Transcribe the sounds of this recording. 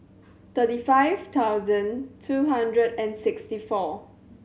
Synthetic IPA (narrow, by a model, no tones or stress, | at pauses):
t̪ətifaɪvt̪ʰawzə̃ntʰuɦãndɹədɛ̃nsɪkstifɔ